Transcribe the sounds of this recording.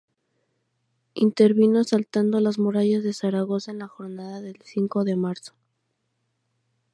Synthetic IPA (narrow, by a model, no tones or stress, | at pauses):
int̪e̞ɾβinosalt̪and̪olazmuɾaʝazðe̞saɾaɣo̞saenlaxo̞ɾnaðaðe̞lsiŋko̞ðe̞maɾso̥